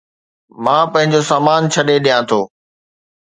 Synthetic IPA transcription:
mãːpɐ̃ɦɪ̃ɲd͡ʑosaːmaːnt͡ɕʰɐɗeɗijãt̪ʰoː

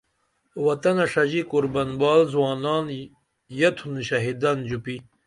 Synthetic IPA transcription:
wɐt̪ɐnɐʂɐd͡ʑikuɾbɐnbaːlzwaːnaːn | jɐt̪ʰunɕɐɦid̪ɐnd͡ʑupi

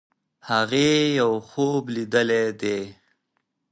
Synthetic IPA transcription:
haɣejawxoblid̪əled̪e

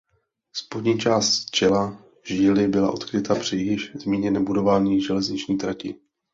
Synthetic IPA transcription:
spodɲiːt͡ʃaːst̪t͡ʃɛla | ʒɪːlɪbɪla̰ʔo̞t̪kɾɪt̪apr̥ɪjɪʃzmiːɲɛnɛːbudo̞vaːɲiːʒɛlɛzɲɪt͡ʃɲiːt̪ɾacɪ̰

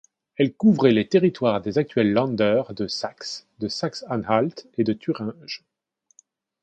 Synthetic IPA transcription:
ɛlkuvʁɛlet̪eʁit̪waʁd̪ezak̚t̪ɥɛlːɑ̃d̪œːʁd̪əsaksd̪əsaksãnalt̪ed̪ət̪ʰyʁɛ̃ʒ

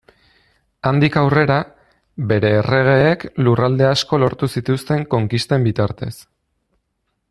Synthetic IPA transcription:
and̪ikawre̞ɾa | be̞ɾe̞ːre̞ɣ̞e̞ːklurald̪e̞asko̞lo̞ɾt̪usit̪ust̪e̞ŋko̞ŋkist̪e̞mbit̪aɾt̪e̞s

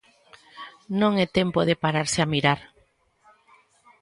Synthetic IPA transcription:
nõŋɛt̪empoðepaɾaɾsɪamiɾaɾ

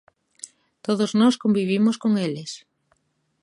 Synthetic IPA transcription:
t̪oðoznɔskombiβ̞imoskoŋeles

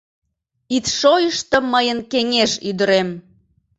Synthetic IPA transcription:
it̪ʃojəʃt̪ə̆məjənkeŋeʃyd̪əɾem

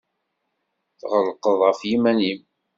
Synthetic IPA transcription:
θʁəlqəðˤʁəfjimænim

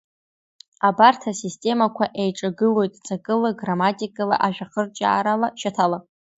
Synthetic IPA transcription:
abartʰasistʼe̞makʷʰaʔejʈ͡ʂʼaɡɨlo̞jtʼt͡sʼakʼɨlaɡramatʼikʼala̰ʔaʒᶣaχərt͡ʃʼa̰ːɾalaʃatʰala

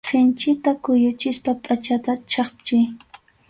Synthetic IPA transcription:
sɪnt͡ʃɪt̪akʊjʊt͡ʃɪspapʼat͡ʃat̪at͡ʃɑχpt͡ʃɪ

